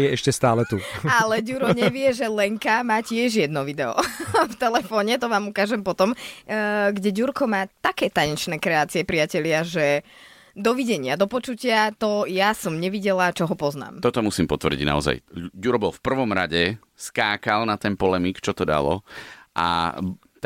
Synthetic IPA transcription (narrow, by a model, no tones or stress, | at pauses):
jɛɛʃcɛst̪aːlɛt̪ualɛɟuɾɔɲɛʋɪɛʒɛlɛŋkamaːcɪɛʒjɛd̪nɔʋid̪ɛɔ̰ft̪ɛlɛfɔːɲɛt̪ɔʋaːmukaːʒɛmpɔt̪ɔm | ɡɟɛɟuɾkɔmaːt̪akɛːt̪aɲɛt͡ʃnɛːkɾɛaːt͡siɛpɾiacɛʎɪaʒɛ | d̪ɔʋiɟɛɲɪad̪ɔpɔt͡ʃucɪat̪ɔjasɔmɲɛʋiɟɛlat͡ʃɔɦɔpɔzna̰ːmt̪ɔt̪ɔmusiːmpɔt̪ʋrɟḭɟna̰ɔza̰jɟuɾɔbɔlfpr̩ʋɔmɾa̰ɟɛ | skaːkalnat̪ɛnpɔlɛmikt͡ʃɔt̪ɔd̪a̰lɔ̰ʔa̰